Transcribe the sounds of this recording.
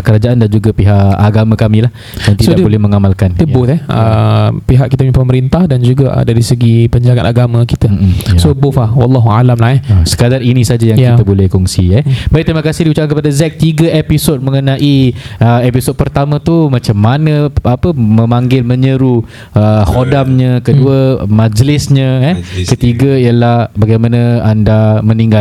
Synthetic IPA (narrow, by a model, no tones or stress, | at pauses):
kəɾad͡ʒaʔandand͡ʒuɡapiɦaʔaɡamãkamĩlah | at̪idsoadbolɛhməŋamalkandiəbot̪ɛhə̰piɦaʔkit̪amĩpəməɾint̪ahdand͡ʒuɡa̰daɾisəɡipəɲd͡ʒaɡanaɡamãkit̪əsobofawɑlːɑɦua̰lamlahɛsə̥kadarinĩsad͡ʒajaŋkiəbolɛhkɔŋsḭɛbaiʔ̚t̪əɾimakasɪhdiut͡ʃaʔkankəpadazɛk̚t̪iɡəepisot̚mə̃ŋənãʔiəɛpisod̚pərt̪amãt̪umat͡ʃamːanə̃apəmə̃maŋɡɪlmə̃ɲəɾu | əhodamɲə̃kəduəmãd͡ʒlɪsɲə̃ɛkət̪iɡəijəlahbaɡajmanãandaməniŋɡal